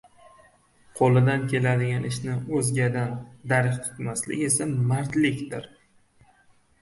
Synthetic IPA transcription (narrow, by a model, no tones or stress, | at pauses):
qʰolˠɪd̪ankʲʰe̞lad̪ɪɡʲanɪʃnɪɵzɡʲad̪and̪aɾkʲqʰɨ̥t̪maslɪ̰kʲe̞samaɾt̪lɪkʲd̪ɪɾ